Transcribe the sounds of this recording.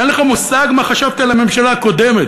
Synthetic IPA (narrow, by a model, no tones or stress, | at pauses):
enleχamusaɡmaχaʃavt̪alame̞mʃalako̞d̪emet̪